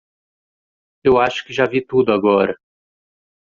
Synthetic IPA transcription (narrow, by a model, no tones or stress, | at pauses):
ewaʃʊ̥kɪʒavit̪ud̪ʊaɡɔɾɐ